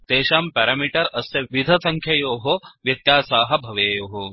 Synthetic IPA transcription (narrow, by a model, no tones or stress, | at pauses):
t̪eːʃaːmpɛːɾaːmiʈɐɾɐsjɐʋid̪ʱɐsɐŋkʰjɐjoːɦoʋjɐt̪jaːsaːɦɐ̆bʱɐʋeːjoːɦo